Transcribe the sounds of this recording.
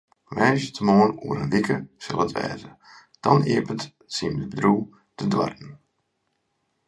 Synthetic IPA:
ʋɛjzətʰəmoːənuəɾənʋikʰəsə̰lˠətʋɛ̰ːzə | d̥ɔniəpət | simdəbədruː | tʰədwa̰rtn̩

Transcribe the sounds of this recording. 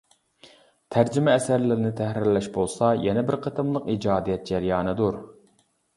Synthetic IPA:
t̪ʰæɾd͡ʒɪmɛːsæɾlɪɾɪnɪt̪ʰæhɾɪɾlɛʃbolˠsɑjɛnɛbɪɾqʰət̪ʰɨmlˠəqid͡ʒɑːd̪ijɛt̪̚d͡ʒɛɾjɑːnɨd̪uɾ

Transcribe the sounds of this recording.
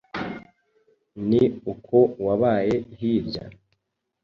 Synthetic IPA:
niukʰo̞waβaːje̞ɦiːvɟa̰

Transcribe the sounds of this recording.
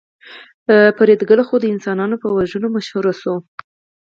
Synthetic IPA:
paɾed̪ɡəlaxod̪əɪnsɑnɑnopəwaʒənomaʃhuɾaso

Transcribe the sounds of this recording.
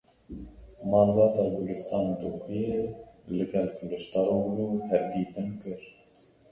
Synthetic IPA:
mɑːlbɑːt̪ɑːbulɨst̪ɑːnd̪ukʰujelɨɡɛlkʰlɨʃt̪ɑɾoːwluːhɛɾd̪iːt̪ɨnkɨɾ

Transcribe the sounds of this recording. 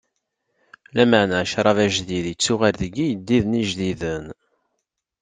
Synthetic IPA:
læməʕnæʃɾˤɑvæʒðiðjət͡sːʊʁaɾðəɡːijəd̪ːiðəniʒðiðən

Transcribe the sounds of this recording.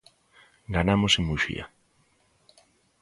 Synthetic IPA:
ɡanamosɪmuʃḭa̰

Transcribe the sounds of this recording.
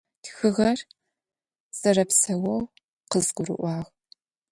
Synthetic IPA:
txɨʁɐr | sɐrɐpsɐwɐw | qqəzɡʷʊrɨ̰ʔʷɑːʁ

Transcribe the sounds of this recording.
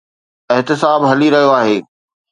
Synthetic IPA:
ɪɦt̪ɪsaːbɦɐliɾɐɦijoaːɦeː

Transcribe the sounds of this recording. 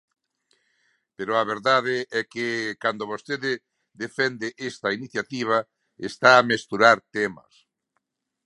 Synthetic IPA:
peɾoaβeɾðað̞ɪɛkɪkand̪oβost̪eðɪ | d̪efɛnd̪ɪʔest̪ɐiniθjat̪iβ̞a | est̪aːmest̪uɾaɾt̪ɛmɐ̰s

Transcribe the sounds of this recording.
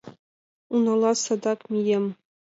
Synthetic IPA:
unɑlˠɑsɑd̪ɑkmʲijemʲ

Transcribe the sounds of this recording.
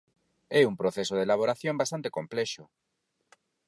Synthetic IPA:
ɛumpɾoθesoð̞elaβ̞oɾaθjõmbast̪ant̪e̥komplɛʃo

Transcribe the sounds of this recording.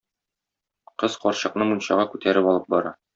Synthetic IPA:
qɤz̥qɒɾɕɤ̆qnɤmunɕɑʁɑkʉt̪ʰæɾɘpɒlˠɤp̚bɒɾɑ̰

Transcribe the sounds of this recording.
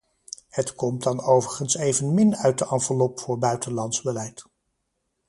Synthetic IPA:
hətkɔm̚dɑnowvəɹχənsejvənmɪnœɥt̚dəʔɑnvəlɔpfʊːɹbœɥtənlɑntzbəlɛjt

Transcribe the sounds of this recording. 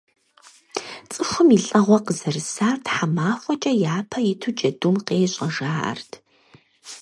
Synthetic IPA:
t͡sʼɨxʷʊmiɬʼɐʁʷɔqəzɐrɨsaːrtħamaːfʷɔt͡ʃʼɐjaːpʰɐjɪtʰud͡ʒɐdumqeːɕʼɐʒa̰ːrtʰ

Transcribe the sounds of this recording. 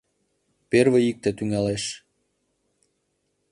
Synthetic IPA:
perβeik̚t̪et̪yŋæleʃ

